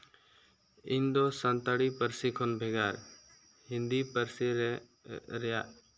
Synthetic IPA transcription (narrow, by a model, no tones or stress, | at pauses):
ɪnd̪osənt̪əɽipəɾsikʰonbʱeɡaːɾ | hɪ̃nd̪ipəɾs | ɾ